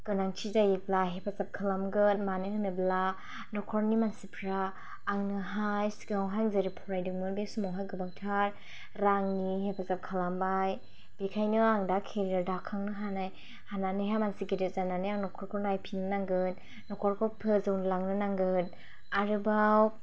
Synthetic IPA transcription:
ɡ̥ɯnaŋt͡ʃʰizajiblaɦepʰazap̚kʰalamɡɯtmanɯhanɯbla | nɔkʰɔɾnimansipʰɾaː | ŋnɯɦajskɔwɦaŋzɯɾipʰɔɾajdɯŋmɯlbesumɔwɦajɡɯbak̚tʰaɾ | ɾaŋniɦepʰazap̚kʰalambaj | b̥ikʰajnɯaŋdakʰeɾɾɯdakʰaŋnɯɦanaj | hananɯjɦamansiɡedɯzananɯjaŋnɔkʰɔɾkʰɔnajpʰinɯnaŋɡɯn | nɔkʰɔɾkʰɔpʰɯzɯwnɯlaŋnɯnaŋɡɯn | aɾɯbaw

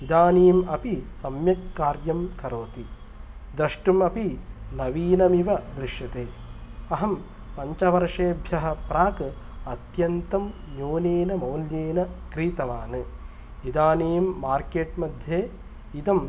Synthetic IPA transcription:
id̪aːniːmɐpisɐmjɐkːaːɾjɐmkɐɾoːt̪i | d̪ɾɐʂʈumɐpinɐʋiːnɐmiʋɐd̪ɾiʃjɐt̪eː | ɐɦɐm | pɐɲt͡ʃɐʋɐɾʂeːbʱjɐɦɐpɾaːkɨ | ɐt̪jɐnt̪ɐm | ɲoːneːnɐmɐwljeːnɐkɾiːt̪ɐʋaːnɨ | id̪aːniːmːaːɾkeːʈmɐd̪ʱjeː | id̪ɐm

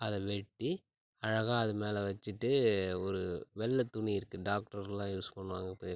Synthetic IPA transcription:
ɐðɛʋɛʈːi | ɐɻɐɣaːɐðɯmeːlɛʋɐt͡ʃːɯʈːɯɔɾɯʋɛlːɐt̪ːʊɳiɪɾɯkːɯɖaːk̚ʈɐɾlːãːjuːsɯ̥pɐɳːɯʋaːŋɡɐɪpːoːðe

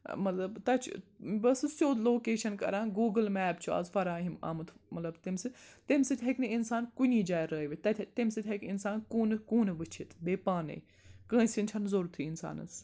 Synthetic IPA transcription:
mɐt̪lɐbt̪ɐt͡ʃʰbɐsɨst͡ʃoːd̪loːkeːʃɐnkɐ̰ɾãːnɡuːɡəlmɛːbt͡ʃʰuɐ̰zfɐɾaːɦima̰mɨt̪ʰmɐt̪lɐbt̪ɪmsɨt̪emsit̪ʲʰɐkneɪnsaːnkunʲiːd͡ʒaːjɾəːiʋit̪ɐt̪ʰʲt̪emsit̪ʰɐkɪnsaːnkuːnkuːnʋɨt͡ʃʰit̪ʰbeːpaːnḛ | kə̃ːsʲint͡ʃʰɐnzoɾt̪ʰiːɪnsa̰ːnɐ̰s

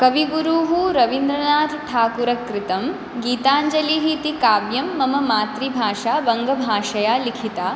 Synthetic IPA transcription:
kɐʋiɡuɾuːɦuɾɐʋind̪ɾɐnaːt̪ʈ̪ʰaːkuɾɐkɾɪt̪ɐm | ɡiːt̪aːɲd͡ʒɐliɦit̪ikaːbjɐmːɐmɐmaːt̪ɾibʱaːʂaːʋɐŋɡɐbʱaːʂɐjaːlikʰit̪aː

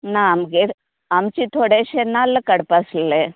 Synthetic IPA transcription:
naːɐmɡe | ɐmt͡ʃit̪ʰoɽeʃenːalːɐkɐɽpaslle

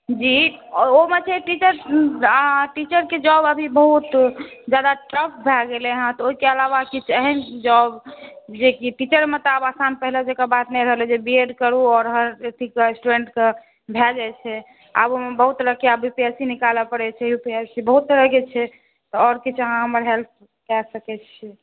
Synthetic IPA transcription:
d͡ʒiomet͡ʃʰɛʈit͡ʃəɾ | ʈit͡ʃəɾked͡ʒɔbəbʱibəɦut̪d͡ʒad̪aʈɾək̚bʱɛɡeleɦãt̪ɔoɦikeəlaʋakit͡ʃʰəɦɛnd͡ʒɔbd͡ʒekiʈit͡ʃəɾmet̪ɔabasanpəɦilad͡ʒekabat̪nɛjɾəɦəlɛd͡ʒebieɖkəɾuɔːɾɦəɾet̪ʰikeesʈuɾeɳʈke | bʱɛd͡ʒajt͡ʃʰɛ | a̰bomebəɦut̪ɾəkeabupiasinikalapəɽɛt͡ʃʰɛjupiəsibəɦut̪ːɾəɦkɛt͡ʃʰɛ | t̪ɔɔɾkit͡ʃʰəɦãɦəməɾɦelt̪̚ʰ | kɛsəkɛt͡ʃʰɛ

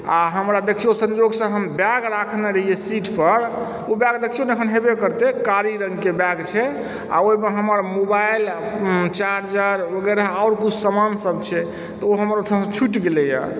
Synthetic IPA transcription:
aɦəmɾad̪ekʰijosə̃nd͡ʒoɡsə̃ɦəmbjaɡɾakʰneɾəɦijesiʈʰpəɾ | objaɡ̚d̪ekʰijonekʰənɦebekəɾt̪ekaɾiɾəŋɡkebaɡt͡ʃʰɛ | a̰oimeɦəməɾmobajlt͡ʃaɾd͡ʒəɾʋəɡɛɾaaʊɾkut͡ʃʰsəmansəbt͡ʃʰɛ | t̪ɔoɦəməɾot̪ʰːə̃st͡ʃʰuʈɡelɛja̰

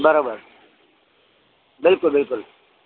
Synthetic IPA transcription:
bɐɾoːbəɾ | bɪlkʊlbɪlkʊl

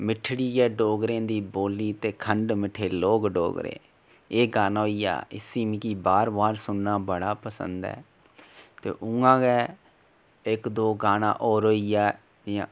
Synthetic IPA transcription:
mɪʈʰɽiːɡɛːɖoːɡɾẽːd̪iːboːliːt̪eːkʰəɳɖmɪʈʰeːloːɡɖo̰ːɡɾḛ̃ː | eːɡaːnaːoːiːa̰ːɪsiːmĩkiːbaːɾbaːɾsʊnːaːbəɽaːpəsə̰̃nd̪ɛ̰ː | t̪ḛːʔʊãːɡɛː | ɪkd̪oːɡaːnã̰ːʔoːɾoːiːjaː | ã

